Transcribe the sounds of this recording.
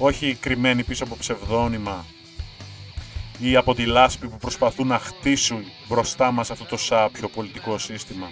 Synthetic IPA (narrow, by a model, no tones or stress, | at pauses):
o̞çikɾime̞nipisoɐpopse̞vðo̞nimɐ | iɐpo̞t̪ilɐspipupɾo̞spɐθunɐxt̪isun | bɾo̞st̪ɐmɐsɐft̪o̞t̪o̞sɐpço̞po̞lit̪iko̞sist̪imɐ